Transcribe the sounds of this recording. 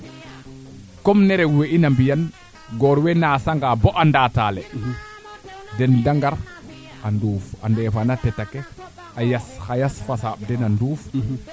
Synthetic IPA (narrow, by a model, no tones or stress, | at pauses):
kɔmnɛɾɛweʔinambijan | ɡɔɾwɛnasaŋɡabɔʔandataːlɛ | dɛndaŋɡaɾ | ʔanduːfa̰ndɛfanatɛtakɛ | ajasxajasfasaɓ̚dɛnanduːf